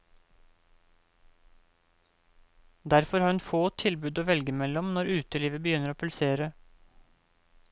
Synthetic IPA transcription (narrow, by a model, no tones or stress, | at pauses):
d̪æɾfɔɾhɑːɾʉnfoːt̪ʰɪlbʉːd̪oːʋɛlɡəmɛlɔmnɔɾʉːt̪əliːʋəbəjʏnəɾoːpʰʉlseːɾə